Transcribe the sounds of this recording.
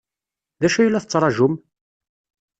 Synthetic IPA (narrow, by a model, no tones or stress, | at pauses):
ðæʃæjlːæθət͡sːɾˤɑʒʊm